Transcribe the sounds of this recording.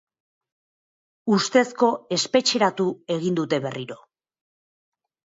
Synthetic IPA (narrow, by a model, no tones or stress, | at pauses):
ust̪e̞sko̞e̞spe̞t͡ʃe̞ɾat̪ue̞ɣind̪ut̪e̞βe̞riɾo̞